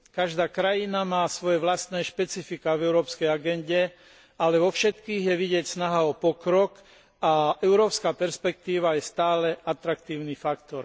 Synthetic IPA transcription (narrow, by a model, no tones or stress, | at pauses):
kaʒd̪aːkɾajinamaːsʋɔjɛʋlast̪nɛːʃpɛt͡sifikavɛʊɾɔːpskɛjaɡɛnɟɛ | alɛʋɔfʃɛt̪kiːɣjɛʋiɟɪɛcsnaɦaɔpɔkɾɔk | aʔɛʊɾɔːpskaːpɛɾspɛk̚t̪iːʋajɛst̪aːlɛat̪ɾakt̪iːʊnifakt̪ɔɾ